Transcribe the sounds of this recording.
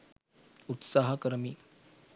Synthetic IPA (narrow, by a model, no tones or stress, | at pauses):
ut̪saɦakəɾmiː